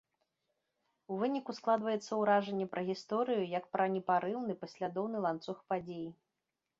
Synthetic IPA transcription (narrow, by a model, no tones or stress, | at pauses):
uvɨnʲikusklˠad̪vɐjɛt̪sːɐwɾaʐɛnʲːɛpɾʔɐɣʲist̪ɔɾɨjujɐkpɾɐnʲɛpaɾɨwnɨpɐsʲlʲad̪ɔwnɨlˠant̪suxpad͡zʲeji